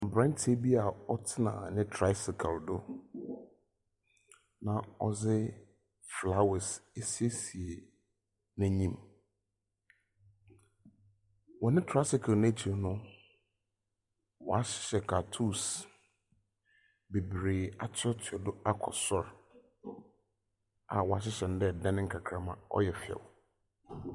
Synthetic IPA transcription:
m̩˨bɾã˦n˦tʰe˦bi˦a˨ɔ˦tʰɪ˦nã̰˨nɪ̃˦tʰɾa˦sɪ˨kʰa˨ldʊ˦ | nã˨ɔ˦zɪ˦ | fla˦wɪ˨se˦si˦e˦si˨e˨ | nɛ̃˨ɲĩ˦m | wɔ˨nɪ̃˦tʰɾa˦sɪ˨˦kʰʊ˨ne˦t͡ɕʰi˨ɾnʊ̃˦ | wɔ̰˨a˦ɕɪ̥˦ɕɛ˨kʰa˨tʰu˦˨s | be˨bɾeː˨a˨t͡ɕʰɔ˦tʰɪ˨ɔ˨dʊ˦a˦kʰɔ̰˨sɔ˦ɾ | a̰˨wɔ˨a˨ɕ̬ɪ˦ɕɛ˨ñ˨˦dɛ˦˨dɛ̃˦nɪ̃˦ŋ̩˦kʰa˨kʰɾa˨mã˨ɔ̰˦jɛ˨fɛ̰˨w

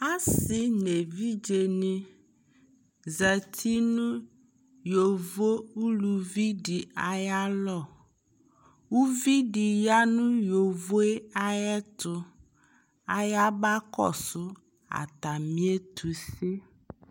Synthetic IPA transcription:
a˦sɪ˨ne˨vi˦d͡ʒe˨nĩ˦ | za˨t̪ʰi˦nũ˦ | jo˨vo˦u˦lu˨vi˦ɖi˨a˨ja˦lɔ˦˨ | wu˦vi˦ɖi˨ja˦nũ˦jo˨vo˦e˦a˦jɛ˦t̪ʊ˨ | a˨ja˦ba˦kɔ̰˦˨sʊ˦ | a̰˨t̪a˨mĩ˦e˦t̪ʰu˨si˦

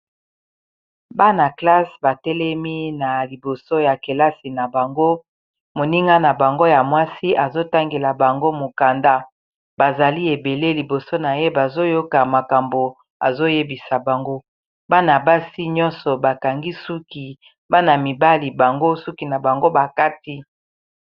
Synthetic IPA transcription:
ba˦na˨kla˦sba˨tɛ˦lɛ˦mi˦na˨li˨bo˨so˦ja˨ke˨la˦si˨na˨ba˨ŋɡo˦ | mo˨ni˦ŋɡa˦na˨ba˨ŋɡo˦ja˨mwa˦si˦ʔa˨zo˦ta˦ŋɡe˨la˨ba˨ŋɡo˦mo˨ka˨nda˦ | ba˨za˨li˦e˨be˨le˦li˨bo˨so˦na˨je˦ba˨zo˦jo˦ka˨ma˨ka˨mbo˨ | a̰˨zo˦je˦bi˨sa˨ba˨ŋɡo˦ | ba˦na˨ba˦si˦ɲɔ˦nsɔ˨ba˨ka˨ŋɡi˦su˦ki˨ | ba˦na˨mi˨ba˦li˨ba˨ŋɡo˦su˦ki˨na˨ba˨ŋɡo˦ba˨ka˦ti˦

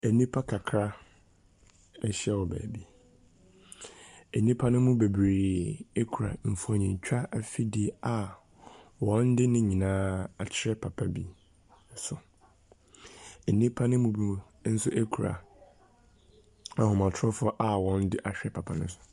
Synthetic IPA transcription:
ɛ˨nĩ˦pʰa˦kʰa˨kʰɾa˦ | ɛ˦ɕɛ˦wɔ˨bæ̰ː˨bi˦ | e˨nĩ˦pʰa˦nʊ̃˦mʊ̃˦be˨bɾeː˨e˦kʰu˨ɾa̰˨m̩˨fɔ˨ɲĩ˨ɲ˨t͡ɕᶣʰa˦ʔa˨fi˦di˦a˨ | wɔ̃˨˦n̩˦dɪ˦nɪ̃˦ɲĩ˨nãː˦a˨t͡ɕʰɪ˦ɾɛ˦pʰa˨pʰa˦bi˦˨ | sʊ˨ | e˨nĩ˦pʰa˦nʊ̃˦mʊ̃˦bĩ˦˨˦n̩˦sʊ˦ʔe˦kʰu˨ɾa̰˨ | a˨ɦʊ˨mã˨tʰɔ˦fʊ˦ɔ˦ʔa˨wɔ̃˨n̩˦dɪ˦ʔa˨ɕᶣɛ˦pʰa˨pʰa˨nʊ̃˦sʊ̥˨

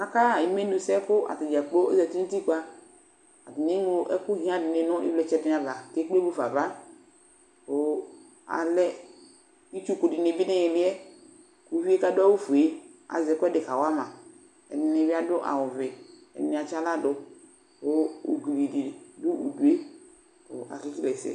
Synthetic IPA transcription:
a˦ka˦˨i˨me˦nu˨sɛ˦kʊ˦ʔa̰˨tɪ˨d͡ʒa˨k͡po˦ɛ˦zɛ˨tu˦nu˦ti˦ku˦a˦ | a˨tɪ˨ne˦n˦o˦ʔɛ˦kʊ˦ɦĩ˦a˨dɪ˨ne˨nʊ̃˦ɪ̰˦blɛ˨t͡ʃɛ˦dɪ˦n˨a˨ba˨ke˦k͡pe˦bo˦fa˨va˦ | o˦ | a̰˨lɛ˦ | i˦t͡ʃu˦ku˨dɪ˨nɪ˨bɪ˦ne˦jɛ˨bɪ˦ɛ˦ | ku˨˦vi˦e˦ka˦do˦a˦wu˦fu˨e˦a̰˨zɛ˨kʊ˦ɛ˦de˨ka˨wa˦mã˨ | ɛ̰˨nɪ˨ne˨vi˦a˦do˦ʔa̰˨wʊ˨vɛ˨ | ɛ̰˨nẽ˨a˨t͡ʃa˦la˦do˨ | o˦o̰˨ɡli˨di˨du˦u˨du˨e˦ | o̰˨a̰˨ki˦ki˦lɛ˨sɛ̰˨

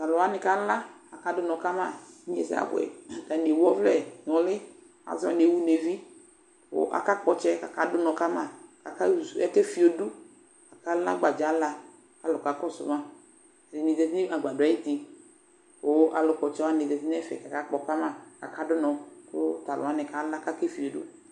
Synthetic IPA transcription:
ta˨lʊ˨a˨˦nɪ˨ka˦la˦a˨ka˦dʊ˦nɔ˨˧ka˦ma˦˨˦ḛ˦sa̰˦˨ɡʷɛ̰˨ka˨ne˨wɔ˦vlɛ˦˨nɔ˨lɪ˦ | a̰˨za˨ne˨˦wu˦ne˨vi˦ | o̰˨˦ʔa̰˨ka˦k͡pɔ˧t͡ʃɛ˦ka˨ka˦dʊ˦nɔ˨˧ka˦ma˦˨ka˨ka˦˨ɛ˦kɛ˦fi˨o˨du˦ | ka˨ka˦la̰˦ɡ͡ba˨d͡ʒa˨˦la˧ | ka˨lʊ˨ka˨˦kɔ˦sʊ̰˨ma˦˨ | dɪ˨ni˨zɛ˧˨t̬i˦ni˦a˨ɡ͡ba˨dʊ˨a˨˦ji˦ti˧ | o˨˦ʔa˨lʊ˨kɔ˨t͡ʃɛ˧˦wa˦ne˨zɛ˨ti˦n˦ɛ˦fɛ̰˨ka˨ka˦k͡pɔ˨ka˦ma˦˨ka˨ka˦dʊ˦nɔ˨kʊ˦ta˨lʊ̰˨a˨˦nɛ˨ka˨la˦ka˦ke˦fi˨o˨dṵ˦

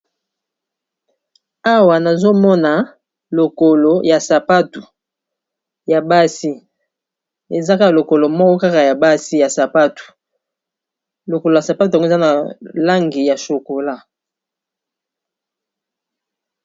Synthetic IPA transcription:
a˦wa˨na˨zo˦mɔ˦na˨ | lo˨ko˨lo˨ja˨sa˨pa˦tu˨ | ja˨ba˦si˦ | e˨za˦ka˦ka˨lo˨ko˨lo˨mɔ˦kɔ˦ka˦ka˨ja˨ba˦si˦ja˨sa˨pa˦tu̥˨ | lo˨ko˨lo˨ja˨sa˨pa˦t̬u˨ŋɡo˦˨za˦na˨la˦ŋɡi˨ja˨so˨ko˨la˦

